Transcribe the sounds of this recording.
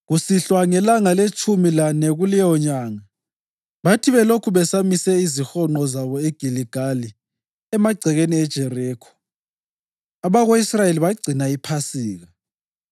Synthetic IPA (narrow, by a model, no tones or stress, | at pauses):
ɣusiɬwaŋɛlaŋalet͡ʃʰʼumilanɛɣulɛjɔɲaːŋa | βatʰiβɛlokʰuβɛsamisɛizixɔŋ͡ǃɔzaβɔeɡ̥ʱiliɡ̥ʱali | ɛmaɡ͡ǀʱɛɣeniɛd̥ʒ̥ʱɛrɛːkʰɔ̥ | aβaɣoisrajeliβaɡ͡ǀʱinaipʰasiːɣa